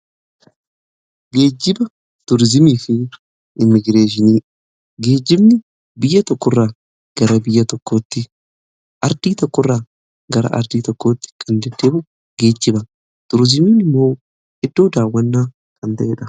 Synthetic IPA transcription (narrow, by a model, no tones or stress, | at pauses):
ɡe̞ːd͡ʒːɪbɐ | t̪ʊɾzɪmiːfɪ | ʔɪmːɪɡɾe̞ːʃ̬ɪniː | ɡe̞ːd͡ʒːɪbnɪ | bɪjːɐt̪ɔkːɔrːaː | ɡ̥ɐɾɐbɪjːɐt̪ɔkːoːt̪ːɪ | ʔɐɾd̪̥iːt̪ɔkːɔrːaː | ɡɐɾɐ̰ʔɐ̰ɾd̪iːt̪ɔkːo̞ːt̪ːɪ̥kʼɐnd̪ɛd̪ːeːbʊ | ɡ̥e̞ːd͡ʒːɪbɐ | t̪ʊɾzɪmiːnɪmːo̞ː | ɪd̪ːo̞ːd̪aːwːɐnːaː | kʰʼɐnt̪ɐʔeːᶑɐ